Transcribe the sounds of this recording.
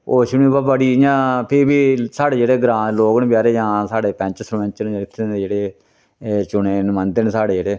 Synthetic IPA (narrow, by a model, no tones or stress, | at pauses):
oːt͡ʃʊnĩːbaːbəɽiːjãːpʰɪɾbiːsaːɽeːd͡ʒeːɽeːɡɾãːloːɡənbjaːɾeːd͡ʒãːsaːɽeːpɛ̃ɲt͡ʃsɾʋɛ̃ɲt͡ʃənːɪt̪ʰːẽed͡ʒeːɽeː | t͡ʃʊɳeːnmə̃nd̪ənsaːɽeːd͡ʒeːɽeː